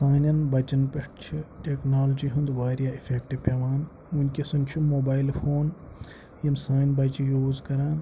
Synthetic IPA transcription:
saːnʲɐnbɐt͡ʃɐnpɐʂʈt͡ʃʰiʈʲeknaːlod͡ʒiɦund̪ʋaːɾjaːifʰeːk̚ʈipʲeʋaːn | unʲkʲisɐnʲt͡ʃʰumoːbaːilfʰoːn | jɐmsaːnbɐt͡ʃijuːzkɐɾãːn

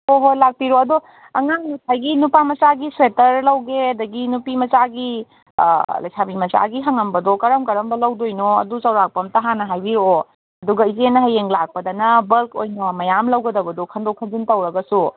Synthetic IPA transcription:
oɦolak̚piɾoɐdu | ɐŋaŋnusʰajɡinupamɐt͡ʃaɡiswetɐɾlɐwɡeɐdɐɡinupimɐt͡ʃaɡḭ | lɐ̰jsʰamimɐt͡ʃa̰ɡiɦɐŋɐmbɐdɔkɐɾɐmkɐɾɐmbɐlɐwdojnoɐ̰dut͡ʃɐwɾak̚pɐmtɐɦanɐɦajbiɾoo | ɐduɡɐizenɐɦɐjeŋlak̚pɐdɐnɐbɐlko̰jnɐmɐjamlɐwɡɐdɐbɐdɔkʰɐndokʰɐnzintɐwɾɐɡɐsu

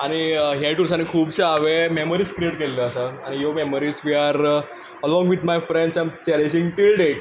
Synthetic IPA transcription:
aɽ̃iɦjaʈuɾs̬ãnekʰuːbsaaʋememəɾiskɾeʈkelːəːsaaɽ̃ijomeməɾizʋiaɾ | əlɔ̃ŋɡʋid̪majfɾɛ̃ɳɖsãjmt͡ɕɛlẽd͡ʑĩŋɡʈilɖeʈ̚

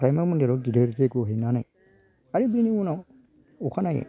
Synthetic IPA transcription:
ɾajmamundeɾodideɾteɡoɦinanaj | aɾibiniwuna | ukanajḛ

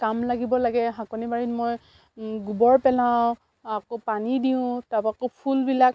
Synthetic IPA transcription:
kamlaɡibɔlaɡɛɦakɔnibaɹitmoj | ɡubɔɹpɛlãw | akopanidiʊ̃tapakopʰulbilak̚

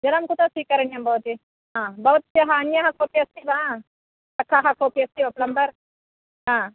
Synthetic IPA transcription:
d͡ʒɐlɐmkut̪osikɐɾɐnjɐmbɐwt̪i | ɦãbɐut̪t͡ʃjɐɦanjaɦɐ̃kʰoːpiɐst̪ibãː | tɐkʰːaɦakʰoːpiɐst̪iɐplɐmbɐɾ | ɦãː

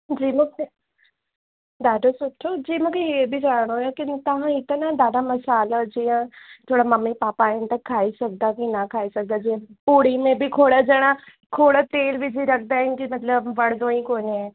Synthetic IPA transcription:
d͡ʒiːmʊke | d̪aːɖoːsʊʈʰːoːd͡ʒiːmʊkeɦeːbʱiːd͡ʒaːɽ̃õːjeːkɪnt̪əɦãːɪt̪nãːd̪aːɖaːməsaːlaːd͡ʒiːjãːt̪ʰoːɽaːməmːiːpaːpaːɪnt̪əkʰːaːiːsək̚d̪aːkɪnaːkʰaːiːsək̚d̪aːd͡ʒiːãpoːɽiːmẽːbʱiːkʰoːɽaːd͡ʒaːɽ̃aː | kʰoːɽaːt̪eːlʋid͡ʒiːɾək̚ʰd̪aːɪkimət̪ləbʋəɽd̪õːĩːkoːniɛː

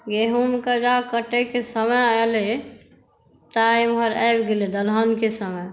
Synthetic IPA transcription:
ɡeɦumkad͡ʒakəʈekesəməjaele | t̪aimɦəɾɛbɡeled̪əlɦənkesəməj

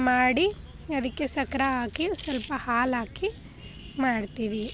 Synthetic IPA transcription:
maːɽi | ɐd̪ɐkːesɐkɐɾɐaːkisɐlpɐhaːlaːki | maːɽt̪iʋi

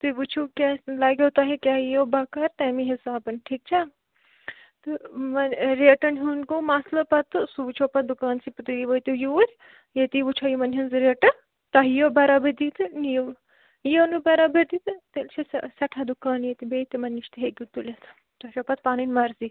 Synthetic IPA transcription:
t̪ɨʋut͡ʃʰukʲaːlaːɡʲot̪aɦekʲaːɦijoːbakɐɾt̪ɐːmiɦisaːbɐnʈʰiːk̚t͡ʃʰa | t̪ɨmɐnɾeːʈɐnɦunkomaslɐpɐt̪ːɨsuːt͡ʃʰoːpɐt̪̚d̪ukaːnsipɨt̪uiʋɐt̪ujuɾʲ | jet̪iʋut͡ʃʰajumɐnɦɐnzɾeːʈɐ | t̪aɦijoːbɐɾabɐd̪it̪ɨni | jonubɐɾabɐd̪it̪ɨt̪elt͡ʃʰissɐʈʰad̪ukaːnjet̪ibeːt̪imɐnːiʃt̪iɦekʲut̪ulʲet̪ʰ | t̪ɐt͡ʃʰoːpɐt̪̚paːninmɐɾzi

